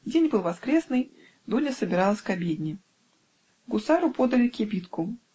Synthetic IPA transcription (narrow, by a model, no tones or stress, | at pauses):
dʲenʲbɨlˠvɐskɾʲesnɨj | d̪unʲəsəbʲɪɾɑlˠəsʲkabʲed̪ʲnʲɪ | ɡʊsaɾʊpod̪əlʲɪkʲɪbʲit̪kʊ